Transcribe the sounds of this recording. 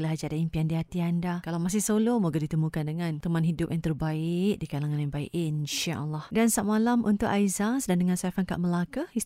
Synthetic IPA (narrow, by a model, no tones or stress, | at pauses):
əlaɦad͡ʒaʔdaimpiandiɦat̪iandakalawmas̬ɪhsolomuɡadit̪əmũkandəŋãnt̪əmanɦidʊp̚jaŋt̪ərbaɪʔ̚dikalaŋanjaŋbaḭʔinʃaʔlahdansaʔ̚malamʔunt̪ʊʔ̚ajzasdandəŋãnsafanka̰ʔməlakahi